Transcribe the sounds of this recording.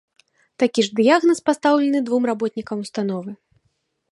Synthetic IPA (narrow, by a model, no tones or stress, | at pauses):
t̪akʲiʐd̪ɨjaɣnɐspast̪awlʲɐnɨd̪vumrabɔt̪ʲnʲikɐmust̪an̪ɔvɨ